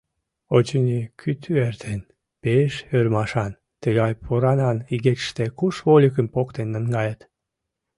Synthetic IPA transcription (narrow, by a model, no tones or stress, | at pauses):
ot͡ɕənʲikʰyt̪ʰyeɾt̪ʰen | peʃøɾmɑʃɑn | t̪eɣɑjpʰoɾɑnɑniɣekʃt̪ekuʃβolʲikəmpokt̪enːəŋɡɑjət̪